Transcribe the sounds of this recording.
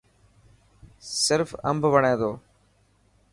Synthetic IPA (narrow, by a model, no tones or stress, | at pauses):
sɪɾfə̰mbʱʋəɳ̃eːd̪oː